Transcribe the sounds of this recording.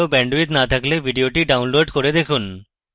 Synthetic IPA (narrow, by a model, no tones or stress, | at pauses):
obɛɳɖit̪nat̪ʰaklebʱiɖioʈiɖawnloɖkoɾed̪ekʰun